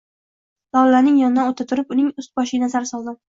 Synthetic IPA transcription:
d̪̥ɒlalaɾnɪŋjɒnɪd̪anot̪ʰat̪ʰʊɾɪpʊnɪŋʊst̪̚bɒʃɪnazaɾɪsɒlˠd̪ɪ

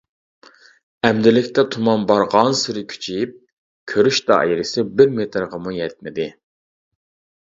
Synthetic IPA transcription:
ɛmd̪ɪlɪkʲt̪ɛt̪ʰumɑnbɑɾʁɑnsɪɾɪkʲʰy̥t͡ʃʰip̚ | kʲʰøɾyʃt̪ɑ̰jɾɪsɪbɪɾmet̪ʰɾʁɑmujɛt̪̚mɪd̪ɪ

